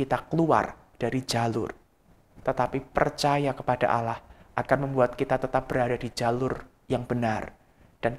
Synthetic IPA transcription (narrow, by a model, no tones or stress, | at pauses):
kit̪akəlua̰r | d̥aɾid͡ʒalʊ̰r | t̪ət̪apipərt͡ʃajakəpada̰ʔalahʔakanməmbuat̪̚kit̪at̪ət̪ap̚b̥əɾadadid͡ʒalʊr | jaŋb̥ənar | d̥an